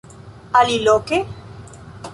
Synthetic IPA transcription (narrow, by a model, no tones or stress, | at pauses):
aliloke